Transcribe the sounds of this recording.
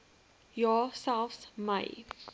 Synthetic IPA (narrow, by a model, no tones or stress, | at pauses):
jɔsɛlfsmaɪ